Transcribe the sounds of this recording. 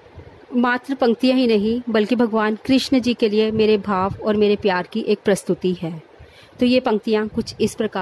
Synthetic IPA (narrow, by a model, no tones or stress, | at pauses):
maːt̪ɾəpɐ̃ŋk̚t̪ijãɦinɐɦĩbɐlkibʱɐɡʋaːnkɾɪʃnd͡ʒiːkeliemeːɾebʱaːʋɔːɾmeːɾepjaːɾkiʔeːk̚pɾɐst̪ʊt̪iɦɛː | t̪oːjepɐ̃ŋk̚t̪ijãkʊt͡ʃʰɪspɾɐkaː